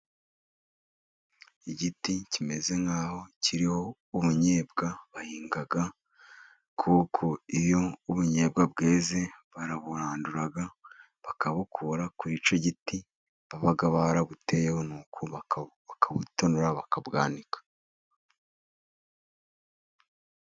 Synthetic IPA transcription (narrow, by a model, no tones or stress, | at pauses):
iɟiticime̞ze̞ŋaːho̞cʰiɾiho̞ | uβuɲe̞ːbɡaβahiːŋɡaɡa | kʰuːkʰoiβjo̞uβuɲe̞ːb̚ɡab̚ɡe̞ːze̞βaɾaβuɾaːnduɾaɡa | βakaβukʰuɾakuɾit͡ʃoɟiti | βaβaɡaβaɾaβute̞jeho̞nuːkʰoββakʰaβutonoɾaβakabɡa̰ːnikḁ